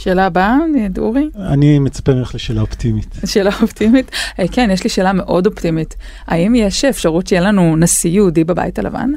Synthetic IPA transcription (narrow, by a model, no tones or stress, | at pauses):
ʃe̞ːlabanidṵʁia̰nimet͡sḁpemeχleʃeːlaoptimitleʃeːlaoptimitkenjeʃliʃeːlame̞ʔo̞do̞ptimit | aimjeʃefʃaʁutt͡ʃejelanunasijudibaba̰jita̰la̰va̰n